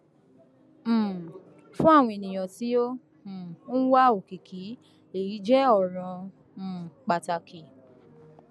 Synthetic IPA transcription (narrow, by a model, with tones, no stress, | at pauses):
fũ˦a˦˨w̃ɔ̃˧e˨nĩ˨j̃ɔ̃˨ti˨˦õ˦˨˦ | n̩˦wa˦o˨ki˨kʰi˨˦ | e˨i˨˦d͡ʒɛ˦ɔ˦˨ɾ̃ɔ̃˧˨ | k͡pa˨ta˧ki˨